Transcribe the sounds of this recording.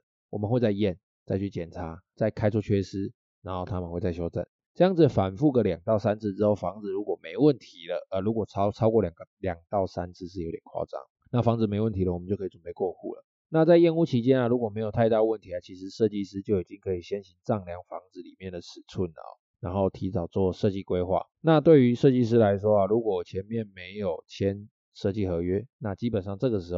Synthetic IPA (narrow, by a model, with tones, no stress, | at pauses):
wɔ˨˩mə˨˦nxwe˥˧t͡sa˥˧ɪjɛ˥˨n | t͡sa˥˧ɪt͡ɕʰy˥˩t͡ɕjɛ˨˩nt͡sʰa˧˦t͡sa˥˩ɪkʰa˥ɪt͡sʰwɔ˥t͡ɕʰɥɛ˥ʂ̩˥ | na˧˥nxo˥˩ʊt̪ʰa˥mə˨nxwe˥˧ɪt͡sa˥˩ɪɕjo˥ʊt͡sə̰˥˩n | ʈ͡ʂɤ˥˧jɑ˥˩ŋd͡z̩˩ə˩fa˨˩nfu˥˩ɡə˨˩ljɑ˨˩ŋt̪ɑ˥˩ʊsa˥nt͡s̩ʰ˥˩ʈ͡ʂɻ̩˥xo˥˩ʊfɑ˧˥ŋd͡zɹ̩˨ɻu˧˥kwɔ˨˩me˧˥ɪwə˥˩nt̪ʰi˧˥lə˨ʔə˨˩lu˧˥kwɔ˨˩˥ʊt͡sʰɑ˥ʊkwɔ˥˩ljɑ˨˩ŋɡə˧˦ljɑ˨˩ŋt̪ɑ˥˨˩ʊsa˦nt͡sʰɹ̩˥˧ʂ̬̩˥˩jo˧˥t̪jɛ˨˩nkʰwɑ̰˥˧ʈ͡ʂɑ̰˥˩ŋ | na˥˩fɑ˧˥ŋd͡zɹ̩˨˩me˧˥ɪwə˥˩nt̪ʰi˧˥lə˨wɔ˨˩m˨˦t͡ɕjo˥˩kʰːi˨˩t͡sə˨˩pe˥˧ɪkwɔ˥˧xṵ˥˩lə̰˩ | na˥˧t͡sa˥˧ɪjɛ˥˧nu˥˩t͡ɕʰi˧˥t͡ɕjɛ˥nɐ˨ɻu˧˥kwɔ˨˩me˧˥ɪjt̪ʰa˥˧ɪt̪a˥˧ə˧wə˥˩nt̪ʰi˧˥a˨˩t͡ɕʰi˧˥ʂ̬ɻ̩˧˦ʂɤ˥˧t͡ɕi˥˧ʂɻ̩˥t͡ɕjo˥˩ʊi˨˩t͡ɕi˦ŋkʰɤ˧˥i˨˩ɕjɛ˥nɕi˧˥ŋʈ͡ʂɑ˥˩ŋljɑ˧˩ŋfɑ̰˧˥ŋd͡zɹ̩˧˩li˨˩mjɛ˥˩nd̪ə˩t͡sʰɻ̩˨˩t͡sʰu˥˩nlə̰˩ɔ̰˨˩na˧˥nxo˥˩ʊt̪ʰi˧˥t͡sɑ˨˩ʊt͡swɔ˥˩ʂɤ˥˧t͡ɕi˥˩kwe˥ɪxwa̰˥˩ | na˥˨t̪we˥˩ɪy˧˥ʂɤ˥˧t͡ɕi˥˧ʂ̬ɻ̩˥la˧˥ɪʂ̬wɔ˥a˨lu˧˥kwɔ˨˩˨t͡ɕʰjɛ˧˥nmjɛ˥˩nme˧˥ɪjo˨˩ʊt͡ɕʰjɛ˦n | ʂɤ˥˧t͡ɕi˥˩xɤ˧˥ɥɛ˦na˥˩t͡ɕi˥pə˨˩nʂɑ˥˧ŋʈ͡ʂɤ˥˩ɡə˩ʂ̬ɻ̩˧˥˨